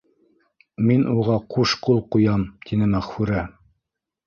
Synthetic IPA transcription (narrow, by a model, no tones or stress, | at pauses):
minʔuʁɑquʃqulˠqujɑmt̪ʰinɘmæχfʉɾæ